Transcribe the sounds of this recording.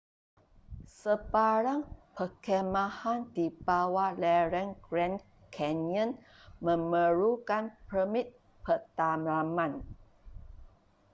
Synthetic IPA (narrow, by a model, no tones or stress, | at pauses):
səbaɾaŋpəkɛmãhandibawalɛɾɛŋɡɾɛn | kʰɛnjə̃n | mə̃məɾukanpəmit̪̚ | pət̪amamãn